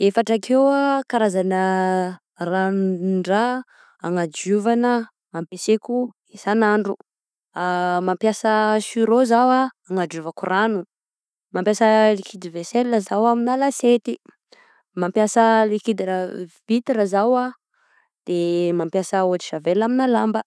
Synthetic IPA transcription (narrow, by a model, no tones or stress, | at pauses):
efaʈ͡ʂakʰewakaɾazanə | ranɳɖ͡ʐa | aŋad͡ʒuvanə | mampeseku | esanaɳɖ͡ʐu | amampjasəʃyɾozawaː | ŋad͡ʒuvakuranu | mampjasəlikʰid̪iveselːazawaminalaset̪i | mampjasəlikid̪iɾavit̪iɾazawa | d̪̥emampjasəoaʈ͡ʂi̥ʃavelaminalambə